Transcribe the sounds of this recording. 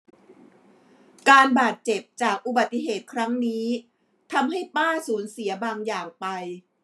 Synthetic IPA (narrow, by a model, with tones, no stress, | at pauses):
kaː˧nbaː˨˩t̪̚t͡ɕe˨˩p̚t͡ɕaː˨˩k̚ʔu˨˩ba˨˩t̪ːi˧˩ɦeː˨˩t̪̚kʰɾa˦˥ŋniː˦˥ | t̪ʰa˧mɦa˥˩jpaː˥˩suː˩˦nsi˩˦ɐbaː˧ŋjaː˨˩ŋpa˧j